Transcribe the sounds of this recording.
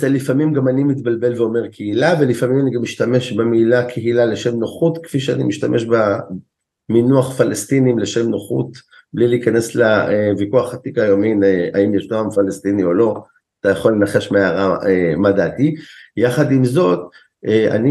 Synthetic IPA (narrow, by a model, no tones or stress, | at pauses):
zelifamimɡamanimit̪balbe̞lveo̞me̞ʁkʰeilave̞lifamimaniɡamiʃt̪ame̞ʃbemiːlakʰeɦilale̞ʃemnoχut̪kfiʃeanimiʃt̪amʔeʃba | minuaχfalest̪inimleʃe̞mnoχṵt̪ | blileikane̞slaevikuaχat̪ikajominea̰imjeʃnoamfalest̪inio̞lo̞ | at̪ajaχo̞lːenaχe̞ʃmeaʁaemad̪at̪ijaχad̪imzo̞t̪ | ea̰ni